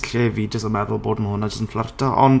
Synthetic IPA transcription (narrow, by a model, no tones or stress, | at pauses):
ɬeviːdjɔs̬ɔmɛðʊlˠboːdməhʊnad͡ʒəstənflartʰaʔɔ̰n